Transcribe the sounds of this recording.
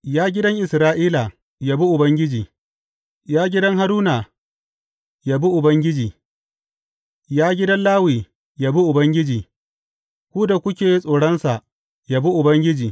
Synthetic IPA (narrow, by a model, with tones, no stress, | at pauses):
jaː˦ɡʲɪ˦dɐ˦ŋʔɪ˨sɾaː˦ʔiː˦la˨ | jaː˦bu˦ʔʊ˨bɐ˦ŋɡʲɪ˦d͡ʒiː˨ | jaː˦ɡʲɪ˦dɐ˦ŋɦa˦ɾuː˦na˨ | ja˦bu˦ʔʊ˨bɐ˦ŋɡʲɪ˦d͡ʒiː˨ | jaː˦ɡʲɪ˦dɐ˦nlaː˦wiː˨ | ja˨bu˦ʔʊ˨bɐ˦ŋɡʲɪ˦d͡ʒiː˨ | kʷuː˦da˨kʷʊ˦kʲeː˨ji˦sʼoː˨ɽɐ˦nsa˨ | ja˨bu˦ʔʊ˨bɐ˦ŋɡʲɪ˦d͡ʒiː˨